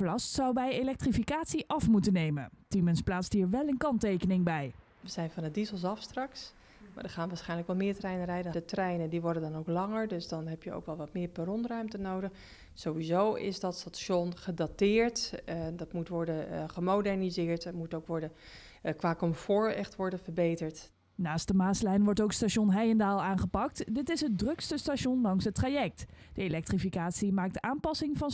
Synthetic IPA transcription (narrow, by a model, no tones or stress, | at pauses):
lɑstsɑwbɛjelɛk̚trifikaːtsiʔɑfmutənejmə̰ntimənsplaːtstɦiːɹʋɛlˠənkɑntejkənɪŋbɛj | ʋəz̥ɛjnvɑnədizəlˠs̬ɑfstrɑks | ma̰ːdəχaːnʋaːsχɛjnləkʋɛlˠmɪːɹtrɛjnərɛjdədətrɛjnəndiʋɔɹdədɑnowklɑŋəɹdɵsdɑnɦɛpjəo̰wkʋɛlˠʋɑtmɪːɹpərɔnrœɥmtənowdəχ | z̥owʋizowɪ̰sdɑtstatsɔnχədatɪːɹtdɑtmutʋɔɹdəχəmowdɛɹnizɪːɹtətmutowkʋɔɹdə | kʋaːkɔmfɔːɹɛχtʋɔɹdənvəɹbejtəɹt | naːstdəmaːslɛjnʋɔɹtowkstaʃɔnɦɛjɛndaːlˠaːnχəpɑk̚tdɪtɪsɦət̚drɵkstəstaʃɔndɑŋsɦətraːjɛk̚td̥əelɛk̚trifikaːtsimaːk̚taːnpɑsɪŋvɑn